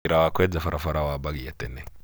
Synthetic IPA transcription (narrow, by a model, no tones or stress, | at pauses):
iɾawakwɛd͡zafaɾʔafaɾawabaɡijatɛnɛ